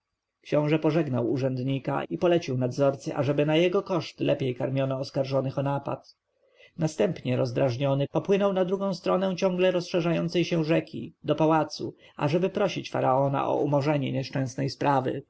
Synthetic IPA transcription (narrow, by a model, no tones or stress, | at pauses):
kɕɔ̃w̃ʐɛpɔʐɛɡnawuʐɛnd̪ɲika̰ipɔlɛt͡ɕiwnad̪zɔɾt̪sɘʔa̰ʐɛbɘnajɛɡɔkɔʂt̪lʔɛpʲjejkaɾmʲjɔnɔːskaɾʐɔnɘxɔnapa̰t̪ | nast̪ɛmpɲɛɾɔzd̪ɾaʐɲɔnɘpɔpwɘnɔwnad̪ɾuɡɔ̃w̃st̪ɾɔnɛw̃t͡ɕɔ̃ŋɡlɛɾɔsʂɛʐajɔnt̪sɛjɕɛ̃ʐɛkʲʰḭd̪ɔpawat̪su | a̰ʐɛbɘpɾɔɕit͡ɕfa̰ɾaɔna̰ʔɔ̰ʔumɔʐɛɲɛɲɛʂt͡ʂɛ̃snɛjspɾʔavɘ̰